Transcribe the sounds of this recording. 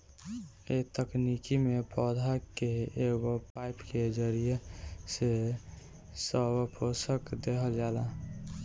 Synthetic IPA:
et̪əknikimepɔd̪ʱakeeɡopaɪpked͡ʒəɾijese | səbpʰosəkd̪ekʰəld͡ʒaːla

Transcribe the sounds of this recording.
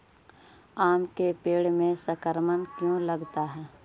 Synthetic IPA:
aːmkepeːɽmẽsəkəɾmənkjõləɡt̪aɦɛː

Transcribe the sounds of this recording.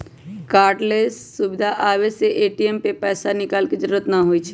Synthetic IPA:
kaːɾʈlesːubɪd̪ʱaʔaːbeseʔeʈiempepɛːsanɪkaːlked͡ʒəɾuɾət̪nəɦojt͡ʃʰ

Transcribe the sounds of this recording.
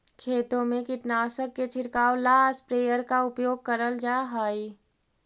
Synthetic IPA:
kʰeːt̪õmẽkɪʈnaːsəkːet͡ʃʰɪɾkaːwlaːspɾeːjəɾkaʊpjoːɡ̚kəɾəld͡ʒaːɦaːi

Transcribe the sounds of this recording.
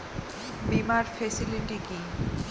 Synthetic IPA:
bimaɾfʰesiliɳɖiki

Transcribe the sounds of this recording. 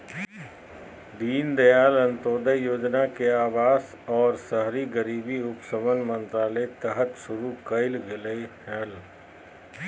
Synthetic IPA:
d̪iːnd̪əjaːlɐ̃nt̪oːd̪əjoːd͡ʒnakeaːʋaːs | ɔːɾsəɦɾiɡəɾiːbiʊpsəʋənmə̃nt̪ɾaːlet̪əɦət̪ʃʊɾukəɪlɡɪlehɛːl

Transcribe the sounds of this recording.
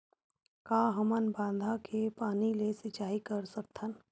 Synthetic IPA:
kaːɦəmənbãːnd̪ʱakʰepaːnilesɪt͡ʃaːikəɾsək̚t̪ʰən

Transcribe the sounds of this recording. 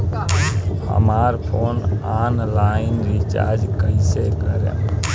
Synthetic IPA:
hə̰maːɾpʰoːnanlaːɪnɾɪt͡ʃa̰ɾd͡ʒkəisekəɾḛ̃

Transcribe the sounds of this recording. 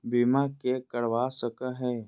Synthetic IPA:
bimakekəɽʋaːsəkəɦɛː

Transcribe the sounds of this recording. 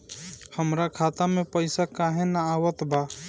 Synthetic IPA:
həmɾakʰat̪amepəɪsakaɦenaːwət̪ba

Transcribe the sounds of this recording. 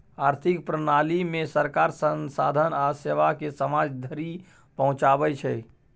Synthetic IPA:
aɾt̪ʰikpɾənalimesəɾkaɾsənsa̰d̪ʱənaseʋakesəmad͡ʒd̪ʱəɾi | pəɦũt͡ʃabɛt͡ʃʰɛ

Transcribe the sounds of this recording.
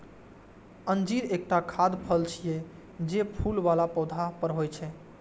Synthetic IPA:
ənd͡ʒiɾek̚ʈakʰad̪pʰəlt͡ʃʰije | d͡ʒepʰulʋalapɔwd̪ʱapəɾɦojt͡ʃʰɛ

